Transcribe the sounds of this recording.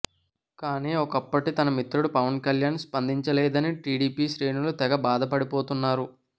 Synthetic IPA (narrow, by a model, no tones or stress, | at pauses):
kaːniːɔkɐpːɐʈit̪ɐnɐmit̪ɾuɽupɐʋɐnkɐljaːnspɐnd̪ʱiɲt͡ʃɐlɛːd̪ɐniʈiːɽiːpiːʃɾe̞ːnulut̪ɛɡɐbaːd̪ʱɐpɐɽipoːt̪unːaːɾu